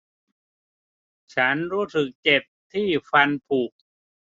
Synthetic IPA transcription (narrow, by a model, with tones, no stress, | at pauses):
t͡ɕʰa˦˥nɾuː˦˥sɯ˨˩k̚t͡ɕe˨˩t̚t̪ʰːiː˥˩fa˧npʰuː˨˩k̚